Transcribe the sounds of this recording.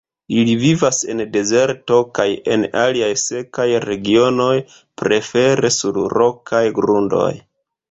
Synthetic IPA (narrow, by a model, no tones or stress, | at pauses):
ilivivase̞nde̞ze̞ɾto̞kaje̞̰naliajse̞kajɾe̞ɡio̞no̞j | pɾe̞fe̞ɾe̞suɾɾo̞kʰajɡɾundo̞̰j